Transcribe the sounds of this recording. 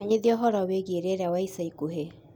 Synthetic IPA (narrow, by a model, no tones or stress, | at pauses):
ɲeðiɔɦɔɾɔweɣeɾeɾeawaisaikuɦe